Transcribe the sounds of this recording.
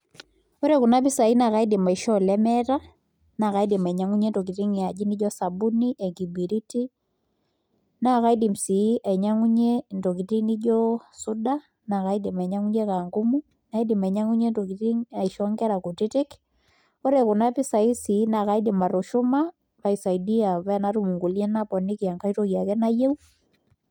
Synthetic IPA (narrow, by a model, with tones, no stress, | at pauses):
o˦ɾeku˨na˦pi˦sa˨i˦na˨ka˦i˦di˨ma˨i˨ʃɔ˦lɛmɛɾa˦ | na˨ka˦i˦di˨ma˨ɲaŋu˦ɲe˦ndo˨k̬i˨ti˦ŋi˨a˨d͡ʒi˦ni˦d͡ʒɔ˦sa˨bu˦niʔɛ˨ŋɡi˨bi˨ɾi˦ti˦ | na˨ka˦i˦di˨msi˨˦ʔa˨ɲa˦ŋu˦ɲe˦ndo˨ki˨ti˦ni˦d͡ʒɔ˦suda˦ | na˨ka˦i˦di˨mɛ˨ɲa˦ŋu˦ɲe˦ka˨ŋɡu˦mu | na˦i˦di˨mɛ˨ɲa˦ŋu˦ɲe˦nto˨ki˨ti˦ŋa˨i˨ʃɔŋɡɛ˦ɾa˨ko˨ti˦tɪ˦k | o˦ɾe˨ko˨na˦pi˦sa˨i˦si˦na˨ka˨i˦dɪma˨ɾo˨ʃʊma | pa˨isa˨idi˦a˨βɛ˦na˦ɾu˦mu˨ŋɡu˨ljɛ˦na˦pɔ˨ni˦ki˨a˨ŋka˦i˦toɣja˨kɛ˦na˦je˦u